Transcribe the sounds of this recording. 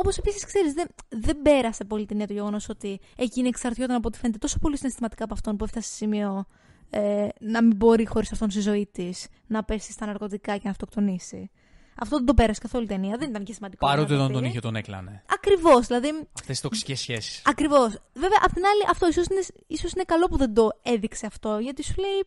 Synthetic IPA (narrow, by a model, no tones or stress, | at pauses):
o̞po̞se̞pisiskse̞ɾizðeðe̞mbe̞ɾɐse̞po̞lit̪eniɐt̪oʝe̞ɣo̞no̞so̞t̪iecineksɐɾt̪çot̪ɐnɐp̬ot̪i̥fnet̪et̪o̞so̞po̞lisinest̪imɐt̪i̥kɐp̬oɐft̪o̞npueft̪ɐssimio̞ | enɐmimbo̞ɾixo̞ɾisɐft̪o̞nst̪izo̞it̪isnɐpe̞si̥st̪ɐnɐɾko̞t̪ikɐcenɐft̪okt̪o̞nisi | ɐ̰ft̪oðend̪o̞pe̞ɾɐse̥kɐθo̞luit̪e̞niɐðe̞nit̪ɐncesimɐnd̪ikoɐɾot̪eot̪ont̪oniçet̪oneklɐ̰neɐkɾivo̞zðilɐðiɐft̪esi̥st̪oksi̥cesːçesi̥sɐkɾivo̞sve̞veɐʔɐpot̪inɐliʔɐft̪o̞isosineisosine̞kɐlo̞puðe̞nd̪o̞e̞ðikse̞ɐft̪o̞ʝɐt̪isulei